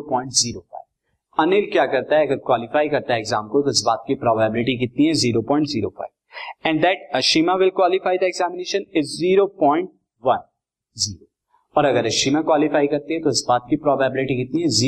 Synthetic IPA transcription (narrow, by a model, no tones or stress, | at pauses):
pɔ̃ːɪ̃ɳʈziːɾofa̰ɪv | ɐnɪlkjaːkɐɾt̪aɦɛɐɡəɾkwaːlɪfaːikɐɾt̪aɦɛeːɡzaːmkot̪oɪsbaːt̪̚kipɾɔːbaːɪbɪlɪʈik̬ɪt̪̚niɦɛ̃ziːɾopɔ̃ːɪ̃ɳʈziːɾofa̰ːɪʋɛ̃ɳɖd̪ɛʈɐʃiːmaʋɪlkwaːlɪfaːɪd̪ɐeɡzɛːmɪneːʃə̃nɪzːiːɾopɔ̃ːɪ̃ɳʈ̚ | ʋɐ̃n | ziːɾo | ɔːɾɐɡəɾɐʃiːmakwaːlɪfaːikɐɾt̪eɦɛ̃t̪oɪsbaːt̪̚kipɾɔːbajbɪlɪʈikɪt̪̚niɦɛ̃ziː